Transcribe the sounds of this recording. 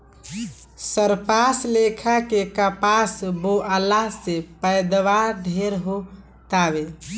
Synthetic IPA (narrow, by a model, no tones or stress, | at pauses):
səɾpaslekʰakekəpasboʔəlasepəjd̪ʋaɾɖʱeɾɦo | t̪aβe